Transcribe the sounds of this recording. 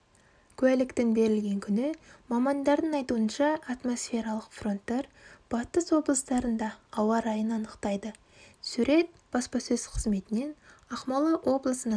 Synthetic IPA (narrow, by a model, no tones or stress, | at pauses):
kʲʰʉælɪkt̪ɪŋbe̞ɾɪlɡʲe̞ŋkʲʰʏnɪmɑmɑnd̪ɑɾd̪əɴɑjt̪uənʃɑʔːt̪mo̞sfʲe̞ɾɑlˠəqfro̞nt̪ːeɾb̥ɑt̪əswo̞blˠəst̪ɑɾənd̪ɑːwɑɾɑjənɑnəqt̪ɑjd̪ə | suɾe̞t̪̚ | b̥ɑspɑsɵzqʰəzme̞t̪ɪne̞nɑqmɑlˠəʔo̞blˠəsənɑ